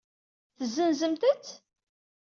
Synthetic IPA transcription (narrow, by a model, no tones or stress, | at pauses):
θəzːənzəmt̪ət͡sː